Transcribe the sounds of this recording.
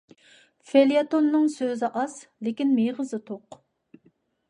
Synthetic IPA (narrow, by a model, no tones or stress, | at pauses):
feljɑt̪onːɨŋsøzɪʔɑzlekʲinmeʁəzɨt̪ʰoq